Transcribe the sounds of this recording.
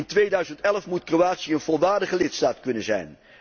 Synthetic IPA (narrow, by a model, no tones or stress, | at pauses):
ntʋeːdœɥzəntɛlˠfmutkroaːtsiəənvolˠʋaːɹdəχəlɪtstaːtkɵnənzɛ̰jn